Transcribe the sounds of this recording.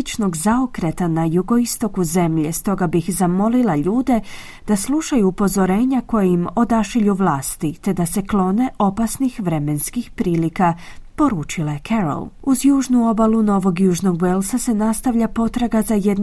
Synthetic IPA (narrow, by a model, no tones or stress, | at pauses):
t͡ʃno̞ɡzaokɾe̞t̪anajuɡo̞ist̪o̞kuze̞mʎe̞st̪o̞ɡabixzamo̞lilˠaʎuːd̪e̞ | d̪̥aslˠuʃajuːpo̞zo̞ɾe̞ːɲako̞jeimo̞d̪aʃiʎuʋlˠaːst̪it̪e̞d̪ase̞klˠo̞ne̞ʔo̞pasnixʋɾe̞me̞nskixpɾiːlikapo̞ɾuːt͡ʃilaekʰeɾo̰lˠuzjuːʒnuo̞baluno̞ʋo̞ɡjuːʒno̞ɡʋelˠsase̞nast̪aʋʎapo̞t̪ɾaɡazajed̪n